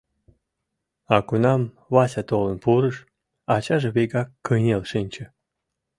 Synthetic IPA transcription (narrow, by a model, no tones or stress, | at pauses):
ɑkunɑm | βɑsʲat̪olənpuɾəʃ | ɑt͡ɕɑʒĕβʲeɡɑkːəjnʲelʃɨnʲt͡ɕə̆